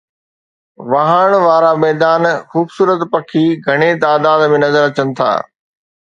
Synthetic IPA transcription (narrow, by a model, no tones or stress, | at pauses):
ʋɐɦəɽ̃ʋaːɾamɛːd̪aːnxuːbsuːɾət̪pɐkʰiɡʱɐɽ̃et̪aːd̪aːd̪mẽnɐzəɾɐt͡ɕənɪ̆t̪ʰa̰ː